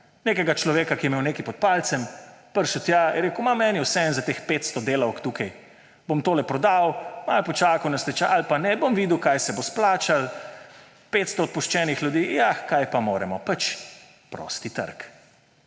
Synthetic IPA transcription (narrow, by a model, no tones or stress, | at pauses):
neːkɛɡat͡ʃlɔʋeːkakijɛmewneːkipɔt̪̚paːlt̪sɛmpəɾʃut̪jaiɾeːkʊmamɛːniwsɛɛnzat̪expeːt̪st̪ɔd̪eːlɐwkt̪uːkaj | bomt̪oːlɛpɾɔd̪awmalpɔt͡ʃaːkɐwnɛst̪ɛt͡ʃaalpanɛbomʋiːd̪uwkajsɛbosplaːt͡ʃal | pet̪st̪ɔːt̪̚puʃt͡ʃɛːnixlʲjud̪iːjakajpamoːɾɛmɔpat͡ʃ | pɾo̰ːst̪it̪ə̰ɾk